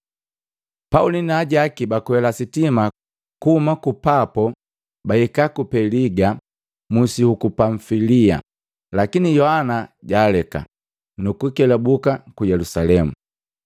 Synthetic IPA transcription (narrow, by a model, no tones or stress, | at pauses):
paulinaːɟakibakwɛlasitima | kuhumakupapɔ | baikakupɛliɡa | musihukupaɱfilia̰ | lakinijɔhanaɟaːlɛka̰ | nukukɛlabukakujɛlusalɛmṵ